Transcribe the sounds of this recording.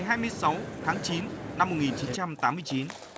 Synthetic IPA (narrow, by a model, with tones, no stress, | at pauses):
jɦaː˧jmɨ˧əjsa˨˦wt̪ʰaː˨˦ŋt͡ɕi˨˦nna˧mː˨˩t̚ŋi˨˩nt͡ɕi˨˦nt͡ɕa˧mt̪aː˨˦mːɨ˧ət͡ɕi˨˦n